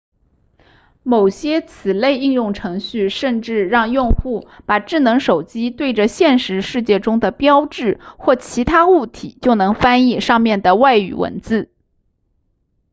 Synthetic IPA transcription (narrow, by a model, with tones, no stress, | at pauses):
mo˨˩ʊɕjɛ˥t͡sʰɹ̩˨˩le˥˧ɪi˥˧njʊ˥˩ŋʈ͡ʂʰɤ˧˥ŋɕy˥˧ʂə˥˧nʈ͡ʂɻ̩˥˧ɻɑ˥˧ŋjʊ˥˧ŋxu˥˩pa˨˩ʈ͡ʂɻ̩˥˩nɤ˧˥ŋʂo˨˩ʊt͡ɕi˥t̪we˥˩ɪʈ͡ʂə˩ɕjɛ˥˩nʂɻ̩˧˥ʂɻ̩˥˧t͡ɕjɛ˥˩ʈ͡ʂʊ˥ŋd̪ə˨pjɑ˥ʊʈ͡ʂɻ̩˥˩xwɔ˥˩t͡ɕʰi˧˥t̪ʰa˥u˥˩t̪ʰi˨˩˦t͡ɕjo˥˩ʊnɤ˧˥ŋfa˥ni˥˩ʂɑ˥˧ŋmjɛ˥˩nd̪ə˩wa˥˩ɪy̰˨˩wə̰˧˥nt͡sɹ̩˥˩